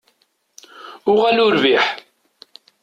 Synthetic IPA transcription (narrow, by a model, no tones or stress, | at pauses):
ʊʁælʊɾviħ